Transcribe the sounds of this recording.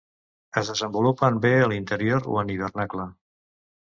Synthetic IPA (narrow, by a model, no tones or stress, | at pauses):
əzðəzəmbulupəmbeəlint̪əɾioɾo̰əniβ̞ərnaklə